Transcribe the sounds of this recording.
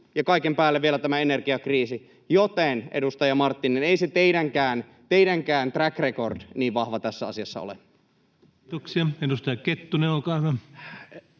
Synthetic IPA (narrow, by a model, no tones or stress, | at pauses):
jɑkɑikempæːlːeʋielæt̪æmæene̞rɡiɑkriːsi | jot̪enedust̪ɑjɑmɑrt̪ːineneiset̪eidæŋkæːn | t̪eidæŋkæːnt̪rækreko̞rd̥niːʋʋɑhʋɑt̪æsːæɑ̰siɑsːɑ̰o̰lḛ | t̪oksiɑedust̪ɑjɑket̪ːuneokɑːˑyʋæ